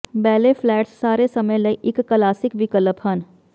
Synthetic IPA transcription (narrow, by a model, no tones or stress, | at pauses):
bɛːlefʰlɛːʈsːaːɾesɐməjlɐiʔɪkːəlaːsɪkʋɪkələpɦən